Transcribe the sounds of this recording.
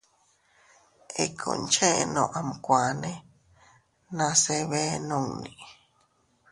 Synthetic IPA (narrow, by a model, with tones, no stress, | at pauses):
e˨kʰõ̰˨nt͡ʃẽ˦nõ˨ʔa˨mkʷa˨nẽ˦ | nã˧se˦βe˦nõ˦˧ŋni˨